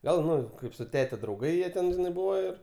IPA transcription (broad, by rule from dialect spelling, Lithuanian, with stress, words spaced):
ˈɡɐlˠ ˈnʊ ˈkɐɪp sʊ ˈtʲæːtʲɛ drɐʊˈɡɐɪ ˈjiɛ tʲɛn ˈbʊʋoː ɪr